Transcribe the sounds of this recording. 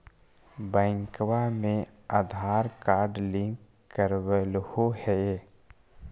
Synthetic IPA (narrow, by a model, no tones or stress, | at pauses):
bɛ̃ːŋkwamẽad̪ʱaːɾkaːɾɖlɪ̃ŋkː | əɾwəlhohɛ